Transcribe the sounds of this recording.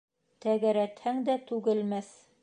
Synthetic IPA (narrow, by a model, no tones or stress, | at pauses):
t̪æɡæɾæt̪hæŋd̪æt̪ʉɡɘ̆lmæθ